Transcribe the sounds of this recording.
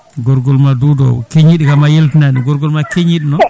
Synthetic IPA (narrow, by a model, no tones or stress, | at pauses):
ɡɔɾɡɔlmadudɔ̰keɲiɗikamajeltinaɗiɡɔɾɡɔlmakeɲiɗinɔ